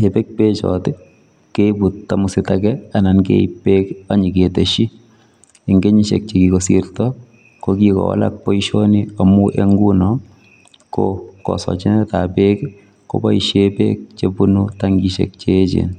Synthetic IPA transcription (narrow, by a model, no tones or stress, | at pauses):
epek̚pet͡ʃɔ̰tɪ | kebut̚tːamʊsɪtakɛanankḛipːekaɲiketeʃi | ɪŋɡeɲiʃḛk̚t͡ʃeɡikosirtɔ | kokikɔ̰wa̰la̰k̚pɔiʃoniamuʔeŋɡunɔ | ko̰kɔ̰sɔ̰t͡ʃɪnɛtapek | ko̰baiʃepek̚t͡ʃebunutaŋɡiʃḛk̚t͡ʃet͡ʃḛn